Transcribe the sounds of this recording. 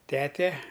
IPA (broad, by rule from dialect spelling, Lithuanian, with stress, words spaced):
ˈtʲæːtʲɛ